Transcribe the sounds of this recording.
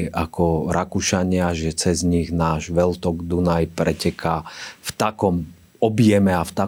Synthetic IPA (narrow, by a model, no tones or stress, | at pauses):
akɔɾakuʃaɲɪaʒɛt͡sɛzɲiɣnaːʒʋɛlt̪ɔɡd̪unajpɾɛcɛkʰaft̪akɔm | ɔbijɛmɛaft̪a